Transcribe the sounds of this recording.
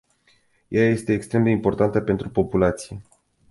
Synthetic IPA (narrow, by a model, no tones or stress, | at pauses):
jaje̞st̪e̞ːkst̪ɾe̞md̪e̞impo̞rt̪ant̪əpe̞nt̪ɾupo̞pulat̪sije̞